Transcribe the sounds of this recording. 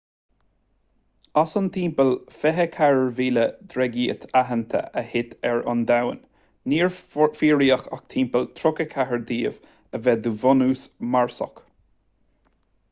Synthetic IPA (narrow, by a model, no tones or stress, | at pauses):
asənt̪ʰiːmpəlfɛɦəkʰaɹəɹviːləd̪ɾɛɡiːə̰t̪ʰaɦənt̪ʰə̰ʔəhɪt̪ʰɛɹɔ̰nd̪awə̰nː | iːɹfiːɹiːəxa̰kt̪ʰiːmpəlt̪ʰɾʊkəkʰaɦəɹd̪iːv | əvɛd̪uvɔnuːsmaɹsɔ̰k